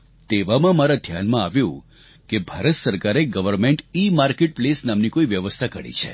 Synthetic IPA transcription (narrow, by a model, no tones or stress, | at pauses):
t̪eʋamãmaɾad̪ʱjanmãaʋjũ | kebʱaɾət̪səɾkaɾeɡəʋəɾmẽɳʈimaɾkeʈ̚plesnamnikoiʋjəʋəst̪ʰakəɽḭt͡ʃʰḛ